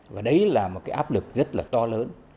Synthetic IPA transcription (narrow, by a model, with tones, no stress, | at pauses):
vaː˨˩ɗə˨˦jlaː˨˩mo˨˩kaː˨˦ʔaː˦˥p̚lɨ˨˩k̚zə˦˥t̚laː˨˩t̪ɔ˧ləː˨˦n